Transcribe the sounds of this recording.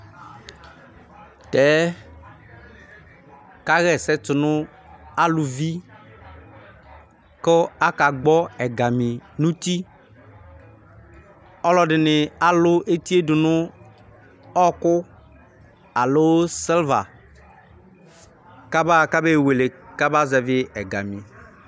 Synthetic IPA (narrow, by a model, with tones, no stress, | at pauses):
t̪ɛ˨˦ | ka˦ɣɛ˨sɛ˦t͡ʃʊ˨nʊ̃˦ | a˦lu˨vi˦ | kɔ˦a˦ka˨ɡ͡bɔ˦ɛ˨ɡa˨mĩ˨nũ˦t̪i˦ | ɔ˦lɔ˦ɖɪ˨nɪ˨a˨lʊ˦ʔe˦t̪i˦e˦dʊ˨nʊ̃˦ | ɔ˦kʊ˦ | a˨lo˦wsɛ˦lva˨ | ka˦ba˦˨ka˦be˦˨we˨le˨ka˦ba˦zɛ˨vɪ˦ɛ˨ɡa˨mĩ˨